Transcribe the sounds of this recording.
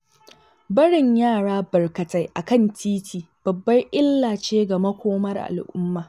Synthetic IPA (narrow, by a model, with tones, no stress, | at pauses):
bɐ˦ɽɪ˨ɲjaː˦˨ɽaː˦bɐ˨rkɐ˨ta˦jʔa˨kɐ˦˨ntʰiː˦tʰiː˨ | b̥ɐ˨bːɐ˦jʔɪ˦lːaː˨t͡ʃeː˦ɡa˨mɐ˦kʷoː˦mɐ˦rʔa̰˨lʔʊ̰˦mːaː˨